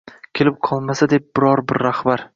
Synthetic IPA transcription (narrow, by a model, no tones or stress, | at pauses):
kʲʰe̞lɪp̚qʰɒlˠmasad̪ep̚bɪɾɒɾbɪɾːahbaɾ